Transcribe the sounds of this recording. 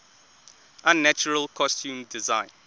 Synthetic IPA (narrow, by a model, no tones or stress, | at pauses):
ʔãnːat͡ʃəɹəlˠkʰɔstʰjũːmdɪzãɪ̃n